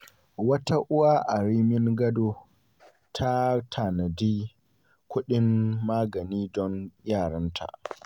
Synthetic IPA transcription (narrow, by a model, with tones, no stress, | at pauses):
wɐ˦ta˦ʔʊ˦wa˦ʔa˨ɾiː˦mɪ˦ŋɡɐ˦doː˦ | tʰa˦tʰaː˨nɐ˨diː˦ | kʷʊ˦ɗɪ˦mːaː˦ɡɐ˨niː˦dɔ˦njaː˦˨ɽɐ˦ntʰa̰˨ʔ